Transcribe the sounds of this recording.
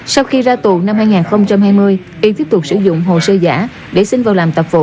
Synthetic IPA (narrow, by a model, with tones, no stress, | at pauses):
sa˧wxi˧zaː˧t̪u˨˩˨na˧mhaː˧jŋaː˨˩nxə˧wŋ͡mt͡ɕa˧mhaː˧jmɨ˧əj | ʔi˧t̪i˦˥p̚t̪ʊ˨˩k͡p̚sɨ˧˥zʊ̰˧˨ŋ͡mɦo̰˨səː˧za̰ː˧˩˥ | ɗe˧˩sï˧ŋvaː˨˩wlaː˨˩mt̪ə˨˩t̚vo̰˧˨˦